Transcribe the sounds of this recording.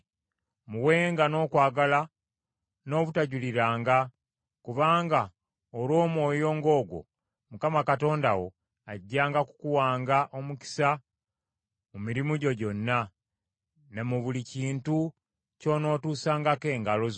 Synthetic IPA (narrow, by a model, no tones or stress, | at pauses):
muwe̞ːŋɡano̞ːkwaːɡala | no̞ːβutaɟuliɾaːŋɡa | kuβaːŋɡa | olwo̞ːmwo̞ːjo̞ːŋɡo̞ːɡwo̞̰ | mukamakato̞ːndawo̞ | aɟːaːŋɡaku̥kuwaːŋɡaʔo̞muki̥sa | mumiɾimuɟo̞ɟo̞nːa | ne̞muβuliciːntu | co̞no̞ːtuːsaːŋɡake̞ːŋɡaloz